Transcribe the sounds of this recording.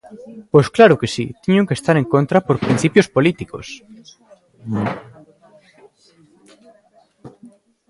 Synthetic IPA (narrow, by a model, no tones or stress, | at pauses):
pojsklaɾʊkesḭt̪iɲõŋkest̪aɾeŋkont̪ɾapoɾpɾinθipjospolit̪iko̰s